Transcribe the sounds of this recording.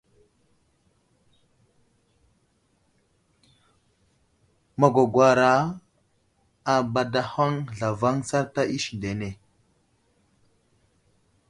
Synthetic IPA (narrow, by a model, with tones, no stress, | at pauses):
ma˨ɡʷa˨ɡʷwa˨ɾa˦ | a˨ba˨da˨ha˦ŋɮa˨va˦ŋsa˦ɾta˦ʔi˦ʃnde˨ne˨